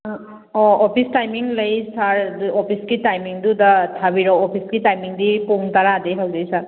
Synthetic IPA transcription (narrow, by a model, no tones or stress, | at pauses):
ɔɔpʰistajmiŋləjsaɹdɔpʰiskitajmiŋdudatʰabiɾɔɔpʰiskitajmiŋdipoŋtaɾadejɦawdejsaɾ